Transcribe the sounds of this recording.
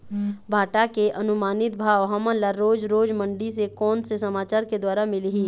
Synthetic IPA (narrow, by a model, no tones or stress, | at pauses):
bʱaːʈakeʔɐnʊmaːnɪt̪̚bʱaːʋɦɐmə̃laɾoːd͡ʒɾoːd͡ʒmə̃ɳɖisekɔːnsesɐmaːt͡ʃaːɾked̪waːɾamɪlɦiː